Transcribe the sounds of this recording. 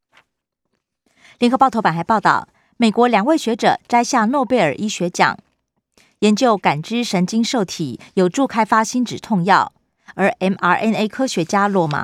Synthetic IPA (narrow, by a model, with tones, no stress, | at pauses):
ljɛ˧˥ŋxpɑ˥˩ʊt̪ʰo˧˥pa˨˩nxa˧˥ɪpɑ˥˧ʊt̪ɑ̰˥˩ʊ | me˨˩ɪkwɔ˧˥ljɑ˨˩ŋwe˥˩ɪɕɥɛ˧˥ʈ͡ʂɤ̰˨˩ʈ͡ʂa˥ɪɕja˥˧nwɔ˥˧pe˥˩ɪə̰˞˨˩ʔi˥ɕɥɛ˧˥t͡ɕjɑ̰˨˩˦ŋ | jɛ˧˥nt͡ɕjo˥˩ʊka˨˩nʈ͡ʂɻ̩˥ʂə˧˥nt͡ɕi˥ŋʂo˥˩ʊt̪ʰḭ˨˩˦jo˨˩ʊʈ͡ʂu˥˩kʰa˥ɪfa˥ɕi˥nʈ͡ʂɻ̩˨˩t̪ʰʊ˥˧ŋjɑ˥˨˩ʊ | ə˞˧˥ʔɛ˥na˧˥ʔɛ˥ne˥ɪkʰɤ˥ɕɥɛ˧˥t͡ɕja˥lwɔ˥˧ma̰˨˩˦